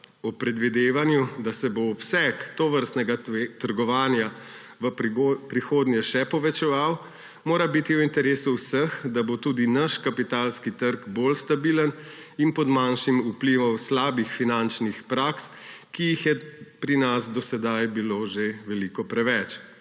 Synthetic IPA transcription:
ɔpɾɛd̪ʋid̪eːʋanjud̪asɛboːpsɛkt̪oːʋəɾst̪nɛɡat̪əɾɡɔʋaːnja | ʋəpɾixoːd̪njɛʃɛpɔʋɛt͡ʃɛʋaw | moːɾabit̪iuint̪ɛɾeːsuwsəxd̪abot̪uːd̪inaʃkapit̪alskit̪əɾɡbolst̪abiːləninpɔd̪manʃimupliʋɔwslaːbixfinant͡ʃnixpɾakskijixjɛpɾinasd̪ɔsɛd̪ajbiloʒeʋɛliːkɔpɾɛʋɛt͡ʃ

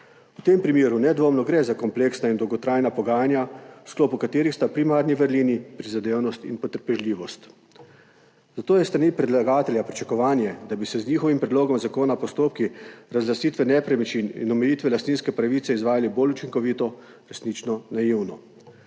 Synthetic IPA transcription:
ut̪empɾimeːɾunɛd̪ʋoːmnɔɡɾɛzakɔmpleːksnaind̪ɔwɡɔt̪ɾaːjnapɔɡaːjanjaskloːpukat̪eːɾixst̪apɾimaːɾniʋəɾliːnipɾizad̪eːwnɔst̪ḭnpɔt̪əɾpɛʒlʲiːʋɔst̪ | zat̪oːjɛst̪ɾaniːpɾɛd̪laɡaːt̪ɛljapɾit͡ʃakɔʋaːnjɛd̪abisɛzniːxɔʋimpɾɛd̪loːɡɔmzakoːnapɔst̪oːp̚kiɾazlasiːt̪ʋɛnɛpɾɛmit͡ʃinḭnɔmɛjiːt̪ʋɛlast̪niːnskɛpɾaʋit̪sɛizʋaːjaliboːlut͡ʃiŋkɔʋiːt̪ɔ | ɾɛsniːt͡ʃnɔnajiwnɔ

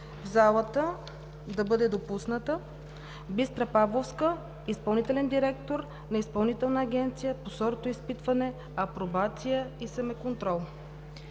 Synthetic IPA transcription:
vzalˠət̪ə | d̪ɐbɤd̪ɛd̪opusnət̪ə | bist̪ɾɐpablˠofskə | ispɐlˠnit̪ɛlɛnd̪iɾɛkt̪oɾ | nɐispɐlˠnit̪ɛlˠnəːɡʲɛnt̪sijəposɔɾot̪oispit̪vɐnɛ | ɐpɾobat̪sijəisɐmɛkont̪ɾɔlˠ

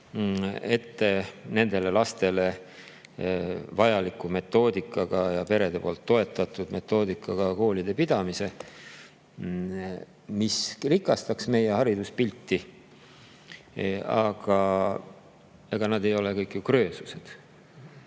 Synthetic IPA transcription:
e̞t̪ːene̞nd̪̥e̞le̞lɑst̪e̞le̞ | vɑjɑlikːˑume̞t̪ːˑo̞ːd̪ikːˑɑɡ̥ɑjɑpe̞ɾe̞d̪̥e̞po̞ːlt̪ːo̞e̞t̪ːˑɑt̪ːˑud̪̥me̞t̪ːˑo̞ːd̪̥ikˑːɑɡ̥ɑko̞ːlid̪̥e̞pid̪̥ɑmise̞ | misrikːˑɑst̪ɑksme̞je̞hɑɾid̪̥uspilʲt̪ːi | ɑɡ̥ɑ | eɡ̥ɑnɑd̪e̞jo̞lekɤjkːjukrø̞ːsu̥se̞d̪̥

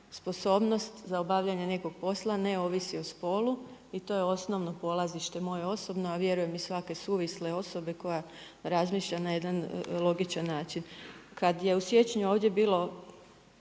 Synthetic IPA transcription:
spo̞so̞ːbno̞st̪zaobaʋʎaɲe̞ne̞ko̞ɡ̚po̞slˠane̞o̞ːʋisiospo̞luit̪o̞je̞o̞sno̞ʋno̞po̞lˠaziʃt̪e̞mo̞jeo̞so̞bno̞aʋje̞ɾuje̞misʋake̞suːʋisleo̞so̞be̞ko̞ja | ɾazmiːʃʎanaje̞d̪anlˠo̞ɡit͡ʃanːaːt͡ʃinkad̪je̞usje̞t͡ɕɲuo̞ːʋd̪je̞biːlˠo

